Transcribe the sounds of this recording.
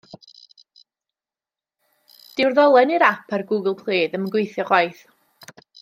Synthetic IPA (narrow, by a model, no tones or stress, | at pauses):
d̥ɪwrðɔlˠɛniɾapʰarɡuːɡəlˠpʰl̥ˠiːðəməɡwejθjɔχwajθ